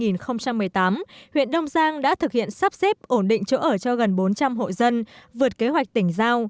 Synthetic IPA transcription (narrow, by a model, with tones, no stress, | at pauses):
ŋi˨˩nxə˧wŋ͡mt͡ɕa˧mːɨ˨˩əjt̪aː˨˦mhwḭ˧˨ənɗə˧wŋ͡mzaː˧ŋɗa̰ː˧˥t̪ʰɨ˨˩k̚hḭ˧˨ənsaː˦˥p̚sɛ˦˥p̚ʔo˧˩nɗḭ˧˨ŋ̟t͡ɕo˨˦ʔəː˧˩t͡ɕɔ˧ɣə˨˩nɓo˨˦nt͡ɕa˧mɦo̰˧˨zə˧nvɨ˨˩ət̚ke˨˦ɦwa˨˩k̚t̪ï˧˩ŋ̟zaː˧w